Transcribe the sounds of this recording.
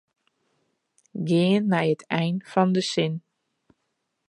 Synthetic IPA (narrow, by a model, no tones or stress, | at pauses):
ɡɪːənːɛjətɛjnfɑndəsɪn